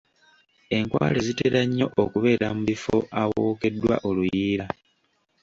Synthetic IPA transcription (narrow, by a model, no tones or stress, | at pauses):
e̞ŋkwa̰ːleziteɾaɲːo̞ʔokuβe̞ːɾamuβifo̞̰ʔawoːke̞dːwa̰ʔolujiːɾa